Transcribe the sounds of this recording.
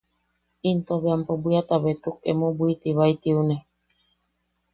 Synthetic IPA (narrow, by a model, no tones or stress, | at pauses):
int̪oβeampobuiat̪aβet̪uk̚ḛmobuit̪iβait̪iune